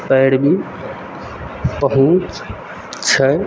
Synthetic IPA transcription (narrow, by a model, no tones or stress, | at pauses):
pəɽbʱi | pəɦũt͡ʃ | t͡ʃʰə